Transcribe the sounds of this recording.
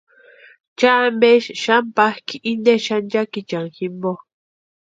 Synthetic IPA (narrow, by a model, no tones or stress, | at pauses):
t͡ʃambeʃʃampahkiʔind̪eʃand͡ʒakit͡ʃaŋximbo